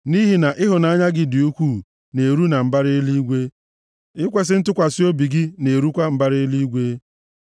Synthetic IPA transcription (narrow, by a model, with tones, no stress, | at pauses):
ni˦ɦi˨na˨ʔɪ˦ɦʊ˨na˨˦a˦ɲa˦ɡɪ˦di˨u˦kʷuː˦˨ | ne˨ɾu˦na˨m̩˨ba˦ɾɪ˦li˦ɡʷe˦ | ɪ˦kʷe˨s̬ɪ˦n̩˦tʊ˦kʷa˨si˦o˦bi˨ɡɪ˦ne˨ɾu˦kʷa˦m̩˨ba˦ɾɪ˦li˦ɡʷe˦